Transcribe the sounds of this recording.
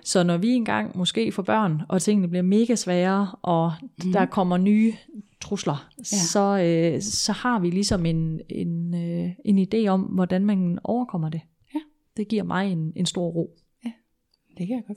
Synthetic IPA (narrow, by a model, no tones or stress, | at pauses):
sɒ̽nɒʋie̝nɡ̥ɑ̈ŋ̰mɔ̽sɡ̥e̝̰ːfɒ̽b̥ɶɐ̰nɒ̽t͡sʰe̝ŋ̰nəb̥liɐme̝ːɡ̥æsʋɛːɐʔɒ̽d̥ɑ̈kʰɒ̽m̰ɐnyːt͡sʰʁuslɐsɒ̽øsɒ̽hɑ̈ʋilisɒ̽me̝nenøe̝nid̥e̝̰ːɒ̽mʋɒd̥ænmænɒʊɐkʰɒ̽m̰ɐd̥e̝ | d̥e̝ɡ̥iɐ̰mʔɑ̈ɪe̝ne̝nsd̥o̝ɐ̰ʁo̝̰ː | d̥ʰ